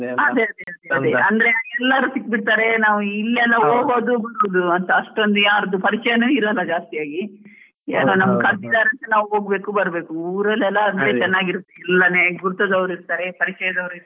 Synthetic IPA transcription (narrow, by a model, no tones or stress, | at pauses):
ɐd̪eɐd̪eɐd̪eɐd̪eɐnd̪ɐɾeɛlːɐɾusik̚ːbiʈt̪aːɾe̞naːʋuilːɛlːɐɦoːɡo̞ːd̪ubɐɾubd̪uɐnt̪ɐɐʂʈond̪ujaːɾɐd̪upɐɾit͡ʃɛjɐnuːiɾɐlːɐd͡ʒaːst̪ijaːɡi | ḛːnoːnɐmːɐkʰɐɾd̪id̪aːɾɐnt̪ɐnaːʋuɦo̞ːɡ̚be̞ːkubɐɾbe̞ːkuuːɾɐlːɛlːɐːd̪ɐlet͡ʃɛnːaːɡiɾut̪ːeilːɐneːɡuɾt̪od̪ɐʋɾiɾt̪aːɾepɐɾit͡ʃɛjɐd̪ɐʋɾiɾ